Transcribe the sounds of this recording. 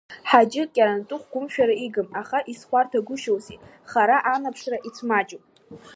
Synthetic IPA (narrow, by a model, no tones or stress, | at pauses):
ħad͡ʒɪkʲʼaɾantʼʊχʷɡʷʊmʃᶣaɾaiɡɨmaχaʔisχʷartʰaɡʷʊʃowsḭ | χaɾaʔanapʰʂraʔit͡sʰmad͡ʒʼopʼ